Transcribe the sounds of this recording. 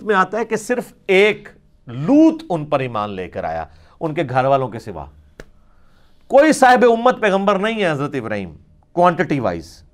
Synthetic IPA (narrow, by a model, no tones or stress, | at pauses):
mẽaːt̪aɦɛkesɪɾf | eːk | luːt̪ʊnpəɾiːmaːnlḛːkəɾa̰ːja̰ː | ʊnkeɡʱɐɾʋaːlõkesɪʋa̰ː | koːisaːɦɪbeʊmːət̪̚pɛːɣə̃mbəɾnɐɦĩɦɛɦɐzɾət̪ɪbɾa̰ːɦḭːm | kwãːɳʈɪʈiʋa̰ːɪ̰ːz